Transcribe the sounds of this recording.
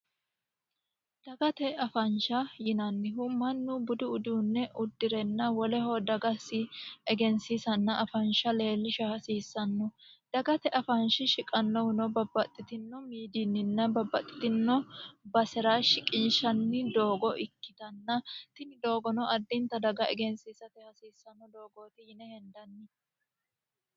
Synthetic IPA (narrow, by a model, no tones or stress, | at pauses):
d̪̥ɐɡɐt̪ɛɐfɐnʃɐjɪnɐnːɪɦumɐnːʊbʊd̪ʊʊd̪uːnːɛʔʊd̪ːɪɾɛnːɐwɔlɛhoːd̪ɐɡɐsɪɛɡɛnsisɐnːɐʔɐfɐnʃɐle̞ːlːɪʃɐhɐsiːsːɐnːɔd̪̥ɐɡɐt̪ɛʔɐfɐnʃɪʃɪkʼɐnːɔwɪnɔbɐbɐt̪ʼːɪt̪ɪnːɔmiːd̪ɪnːɪnːɐbɐbːɐt̪ʼːɪ̥t̪ɪnːɔbɐsɛɾaːʃɪkʼɪnʃɐnːɪd̪o̞ːɡɔʔɪkːɪt̪ɐnːɐt̪ɪnɪd̪o̞ːɡɔnɔʔɐd̪ːɪnt̪ːɐd̪ɐɡɐɛɡɛnsiːsɐt̪ɛhɐsiːsːɐnːɔd̪o̞ːɡoːt̪ɪjɪnɛhɛnd̪ɐnːɪ